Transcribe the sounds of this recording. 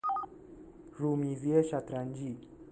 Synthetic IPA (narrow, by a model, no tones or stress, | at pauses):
ɾumiziɛʃat̪ɾaɲd͡ʒi